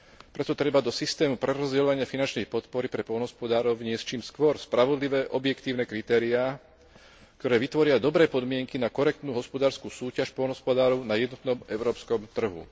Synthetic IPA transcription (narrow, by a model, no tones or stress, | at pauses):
pɾɛt̪ɔt̪ɾɛbad̪ɔsist̪ɛːmupɾɛɾɔzɟɛlɔʋaɲɪafinant͡ʃnixpɔt̪pɔɾipɾɛpɔlnɦɔspɔd̪aːɾɔʊɲɪɛst͡ʃiːmskʋɔɾspɾaʋɔd̪liʋɛːʔɔbjɛkt̪iːʊnɛkɾit̪ɛːɾiaː | kkt̪ɔɾɛːʋit̪ʋɔɾɪad̪ɔbɾɛːpɔd̪mɪɛŋkinakɔɾɛk̚t̪nuːɦɔspɔd̪aːɾskusuːcaʃpɔlnɦɔspɔd̪aːɾɔʊnajɛd̪nɔt̪nɔmɛʊɾɔːpskɔmt̪r̩ɦṵ